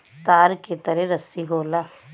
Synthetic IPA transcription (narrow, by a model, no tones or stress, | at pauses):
t̪aːɾket̪əɾẽɾɐsiɦoːlaː